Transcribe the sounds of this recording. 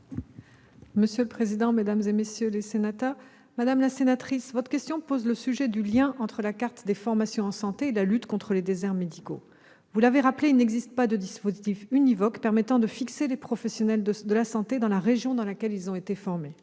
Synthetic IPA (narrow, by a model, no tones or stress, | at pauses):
məsjøləpχezid̪ɑ̃med̪amzemesjølesenat̪œʁ | mad̪amlasenat̪χisvɔt̪χəkʲɛst̪jɔ̃pozləsyʒɛd̪yljɛ̃ʔɑ̃t̪χəlakaʁt̪d̪efɔʁmasjɔ̃ɑ̃sɑ̃t̪eelalyt̪kɔ̃t̪χəled̪ezɛʁmed̪iko̰ | vulaveʁapleilnɛɡzist̪pad̪əd̪ispozit̪ifynivɔkpɛʁmɛt̪ɑ̃d̪əfikselepχɔfɛsjɔnɛləd̪əlasɑ̃t̪ed̪ɑ̃laʁeʒjɔ̃d̪ɑ̃lakʲɛlilzɔ̃et̪efɔʁme